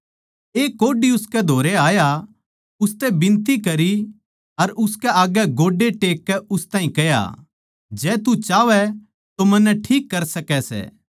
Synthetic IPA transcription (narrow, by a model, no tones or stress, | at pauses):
eːkoːɖiʊskɛd̪ʱoːɾeaːja | ʊst̪ɛbɪ̃nt̪ikɐɾi | ɐɾʊskɛaːɡɛɡoːɖeʈeːkːɛʊst̪ãːɦĩkɐja̰ | d͡ʒɛːt̪ut͡ʃaːʋɛ | t̪omɐnːɛʈʰiːkːɐɾsɐkɛsɛ̰ː